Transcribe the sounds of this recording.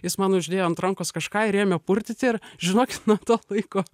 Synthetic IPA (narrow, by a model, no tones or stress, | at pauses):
jɪsmɑnʊʒʲd̪ʲeːjoːɐnt̪ɾɐŋkoːskɐʃkɑːɪɾʲeːjmʲɛpʊrʲt̪ʲɪt̪ʲɪrʒʲɪnoːkʲɪt̪nuɔt̪oːlˠɐɪkoː